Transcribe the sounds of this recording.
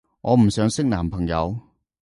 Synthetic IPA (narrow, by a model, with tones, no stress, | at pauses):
ŋʔɔː˨˧m̩˨˩sœː˨˥ŋsɪ˥k̚naː˨˩mpʰɐ˨˩ŋjɐ˨˧w